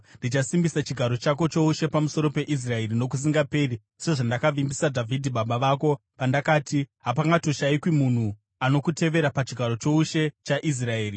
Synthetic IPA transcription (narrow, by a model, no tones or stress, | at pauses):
ndit͡ʃasimbisat͡ʃiɡʱaɾo̞t͡ʃak̬o̞t͡ʃo̞uʃe̞pamuso̞ɾo̞pe̞ʔis̬rae̞rino̞k̬us̬iŋɡape̞ri | se̞ʐandakaʋimbisadʱavʱidʱiɓaɓaʋaːko̞ | pandakaːtiɦapaŋɡatoʃaikwimun̤u | ano̞kute̞ʋe̞ɾapat͡ʃiɡʱaɾo̞t͡ʃo̞uʃe̞t͡ʃaʔis̬rae̞ːri